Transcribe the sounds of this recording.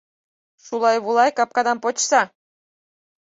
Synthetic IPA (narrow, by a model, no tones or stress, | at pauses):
ʃulˠɑjβulˠɑjkɑp̚kɑd̪ɑmpot͡ɕsɑ